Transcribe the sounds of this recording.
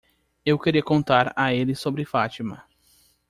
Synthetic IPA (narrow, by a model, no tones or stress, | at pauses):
ewkeɾiɐkõnt̪aɾaelɪsobɾɪfat͡ʃimɐ